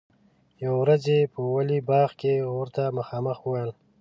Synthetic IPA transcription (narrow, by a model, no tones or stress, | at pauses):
jawwɾazepəwalibɑːɣkeɾt̪aməxɑːməxuwajl